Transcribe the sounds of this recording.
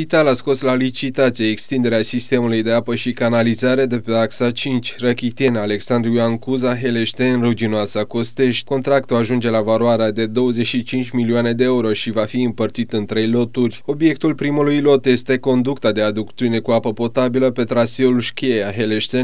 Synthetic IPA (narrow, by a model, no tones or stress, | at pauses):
pit̪alasko̞slalit͡ʃit̪at̪sieekst̪ind̪eɾeasist̪e̞mulujd̪e̞apəʃikanalizaɾad̪e̞peaksat͡ʃint͡ʃʲrəkʲit̪ienale̞ksand̪ɾijuaŋkuzaɦe̞leʃt̪enrud͡ʒinoasəakost̪e̞ʃt̪ʲko̞nt̪ɾakt̪uaʒund͡ʒe̞lavaloaɾead̪e̞d̪o̞wəze̞ʃit͡ʃint͡ʃʲmilioane̞d̪e̞euɾo̞ʃivafiɨmpərt̪sit̪ɨnt̪ɾe̞jlo̞t̪urʲo̞bje̞k̚t̪ulpɾimulujlo̞t̪je̞st̪e̞ko̞nd̪ukt̪ad̪e̞ad̪ukt̪iune̞kuapəpo̞t̪abiləpe̞t̪ɾaseulʃkʲiejaɦeleʃt̪en